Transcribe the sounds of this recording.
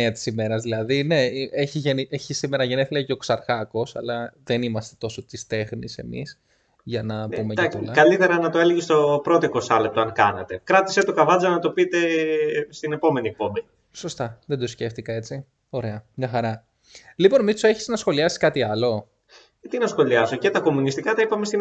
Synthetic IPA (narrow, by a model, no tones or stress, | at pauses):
eɐt̪i̥sime̞ɾɐzðilɐðine̞eçiʝenieçisimeɾɐʝeneθilɐiceoksɐɾɣɐko̞sɐ̰lɐðe̞nimɐst̪e̞̥t̪o̞so̞t̪ist̪e̞xnise̞̰mḭs | ʝɐnɐpumeaolɐɐlit̪e̞ɾɐnɐt̪oeleʝist̪o̞pɾo̞t̪oiko̞sɐlep̚t̪oɐŋkɐ̰nɐ̰t̪e̞kɾɐt̪i̥set̪okɐvɐd͡zonɐt̪o̞pit̪est̪ine̞po̞me̞niek̚po̞meni | so̞st̪ɐðe̞nd̪o̞sce̞ft̪ikɐe̞t͡si | o̞ɾe̞ɐɲɐxɐɾɐ | lipo̞nmit͡soeçiznɐsxo̞liɐsi̥skɐt̪iɐlo̞ | t̪inɐsxo̞liɐsocet̪ɐko̞munist̪ikɐt̪ɐipɐmest̪in